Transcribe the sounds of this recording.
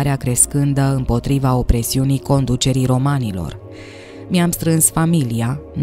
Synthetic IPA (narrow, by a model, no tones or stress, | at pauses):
ɾeakɾe̞skɨnd̪əɨmpo̞t̪ɾivao̞pɾe̞siunijko̞nd̪ut͡ʃe̞ɾijɾo̞manilo̞̰r | miamst̪ɾɨnsfamilian